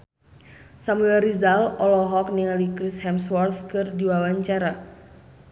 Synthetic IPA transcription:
samuɛɾizalɔlɔɦɔk̚niŋalikɾishɛmswɔrt̪kɨrdiwawaɲt͡ʃaɾa

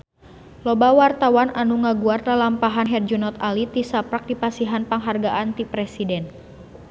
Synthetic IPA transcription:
lɔbawart̪awananuŋaɡuarlalampaɦanɦɛrd͡ʒunɔt̪alit̪isapɾak̚dipasiɦanpaŋɦarɡaʔant̪ipɾɛsidɛn

